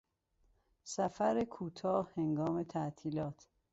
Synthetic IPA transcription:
sæfæɾekʰuːt̪ʰɒːheŋɡɒːme̞t̪ʰæʔt̪ʰiːlɒːt̪ʰ

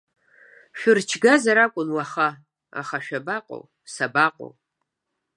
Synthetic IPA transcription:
ʃᶣʊrt͡ʃʰɡazaɾakʷʼʊnwaχa | a̰χaʃᶣabaqʷʼo̰w | sabaqʷʼo̰w

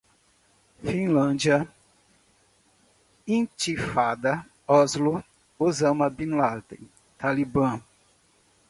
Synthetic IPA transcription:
fĩlɐ̃d͡ʒiɐ | ĩt͡ʃifad̪ɐ | ɔzlo | ozɐ̃mɐbĩnlaɾd̪ḛ̃ | t̪alibɐ̃

